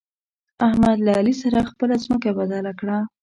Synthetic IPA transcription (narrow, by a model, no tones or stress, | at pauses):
ahmad̪laːlisaɾaxpəlazməkabad̪alakɽa